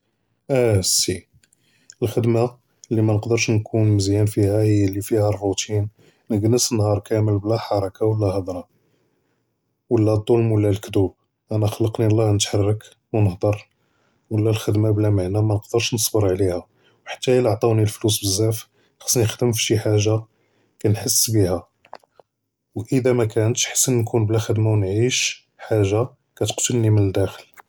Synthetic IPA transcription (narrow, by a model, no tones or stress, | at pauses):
ʔæsi | əlxəd̪ma | lːimænəqd̪əɾˤʃnkʰunməzjænfihæhəjːəlːifihærˤːut̪ʰin | nəɡnəsənhɑɾˤkæʕməlblæħɑɾˤɑkʰawəlːæhɑd̪ˤɾˤɑ | wəlːæd̪ˤːolmwəlːælkd̪ub | ʔænæxlːəqnilˤːɑhnət̪ħarˤːək | wnəhd̪ˤɑɾˤ | wəlːælxəd̪mablæmaʕnæmænəqd̪əɾʃnəsˤbəɾˤʕlihæ | wħḁt̪ːæələʕt̪ˤɑwnilflus̬bəzːæf | xɑ̥sːˤniəxd̪əmfʃiħaʒːa | kænħəsːbihæ | wʔəd̪æmækænət̪ʃħə̥sːənːkʰunblæxəd̪mawnʕiʃ | ħaʒːa | kæt̪ə̥qt̪əlnimənəd̪ːæxəl